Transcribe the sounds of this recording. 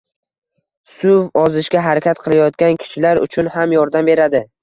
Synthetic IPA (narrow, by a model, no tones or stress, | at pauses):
sʊvɒzɪʃɡʲaɦaɾakʲat̪qʰɨlˠajɒt̪̚kʲankʲʰɪ̥ʃɪlaɾʊ̰t͡ʃʰʊnhamjɒɾd̪ambe̞ɾad̪ɪ